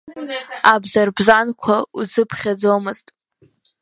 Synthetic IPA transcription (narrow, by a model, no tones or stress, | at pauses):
abzarbzankʷʰaud͡zɨpʰχʲad͡zomɨztʼ